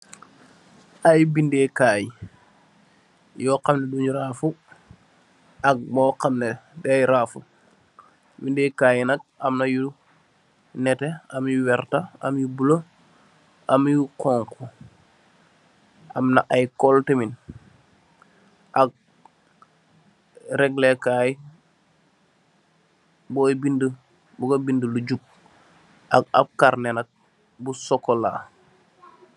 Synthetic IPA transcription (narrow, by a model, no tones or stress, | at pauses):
ʔajbindekaːji | jɔːqamneduɲuɾaːfu | aɡ̚mɔqamnedɛajɾaːfu | bindekaːjnak̚amnaju | nɛteamjuwɛɾtaa̰mjubulo | ʔamjukɔŋku | ʔamnaʔajkoltemin | ʔak̚ | ɾɛɡlekaːj | boːbində | buɡabindəluɟup̚ | ʔa̰k̚a̰b̚kaɾnenak̚ | busokːola̰